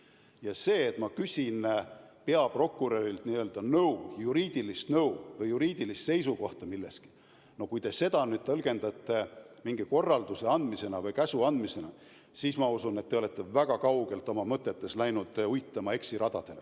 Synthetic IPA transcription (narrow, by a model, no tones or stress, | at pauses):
jɑse̞ːt̪ˑmɑkysʲin | pe̞ɑpro̞kːˑuɾeɾilt̪niøːld̪ɑnɤujuɾiːd̪̥ilist̪nɤwvɤjːuɾiːd̪̥ilist̪se̞jsuko̞ht̪ɑmilːe̞ski̥ | no̞kujt̪e̞se̞d̪ɑnyd̪̚t̪ɤlɡ̥e̞nd̪̥ɑt̪ːˑe̞ | miŋɡ̥iko̞rːɑld̪̥use̞ɑnd̪̥mise̞nɑvɤjkæsuɑnd̪mise̞nɑ | siːsmɑusune̞t̪ːe̞o̞le̞t̪ːe̞væɡ̥ɑkɑwɡe̞lt̪ˑo̞mɑmɤt̪ˑːe̞t̪ːe̞slæjnud̪̥ujt̪ˑːɑmɑe̞ksiɾɑd̪̥ɑd̪̥e̞le